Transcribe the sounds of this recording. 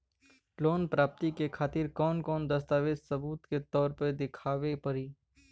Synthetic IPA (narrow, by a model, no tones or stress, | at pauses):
loːnpɾaːp̚t̪ikekʰaːt̪ɪɾkɔːnkɔːnd̪ɐst̪aːʋeːsɐbuːt̪ket̪ɔːɾpəd̪ɪkʰaːʋepɐɾiː